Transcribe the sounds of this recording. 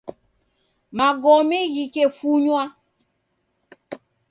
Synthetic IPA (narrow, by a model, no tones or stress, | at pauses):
maɡɔmeɣikefuɲwa